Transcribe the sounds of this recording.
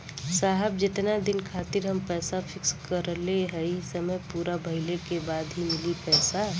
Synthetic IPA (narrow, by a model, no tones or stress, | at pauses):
saːɦɛbd͡ʒɪt̪nad̪ɪnkʰaːt̪ɪɾɦɐmpɛːsafʰɪkskəɾleɦɛisəməjpuːɾabʱɐɪlekebaːd̪ɦimɪlipɛːsa